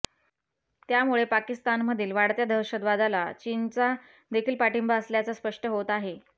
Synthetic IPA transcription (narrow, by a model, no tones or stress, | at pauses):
t̪jamuɭepakist̪anməd̪ʱiːlʋaɽt̪jad̪ʱəɾɕəd̪ʋad̪alat͡ɕint͡sa | d̪ekʰiːlpaʈimbaəsljat͡saspəʂʈəɦot̪aɦe